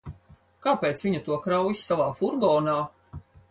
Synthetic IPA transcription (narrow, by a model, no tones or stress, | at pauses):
kaːpeːt̪svʲiɲat̪uɔkɾawjisːavaːfuɾɡɔːnaː